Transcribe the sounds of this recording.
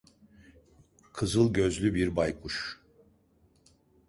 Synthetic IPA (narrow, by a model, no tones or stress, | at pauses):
kʰɯzɯlˠɟø̞zlʲybiɾbajkʰuʃ